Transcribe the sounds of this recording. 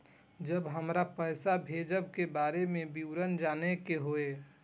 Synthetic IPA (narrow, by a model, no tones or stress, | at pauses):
d͡ʒəbɦəmɾapəɪsabʱed͡ʒəbkebaːɾemẽbiwɾənd͡ʒaːnekeɦoe